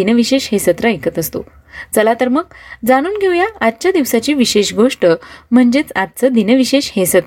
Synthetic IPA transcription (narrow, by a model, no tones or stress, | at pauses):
inəʋiɕeɕɦesət̪ɾaekət̪əst̪o̰ | t͡səlat̪əɾməɡ̚d͡zaɽ̃uːnɡʱeʋjaːt̪̚ːt͡ɕad̪iʋsat͡ɕiːʋiɕeɕɡʱoʂʈəm̤əɳd͡ʑet͡sat̪̚t͡səd̪inəʋiɕeɕhesət̪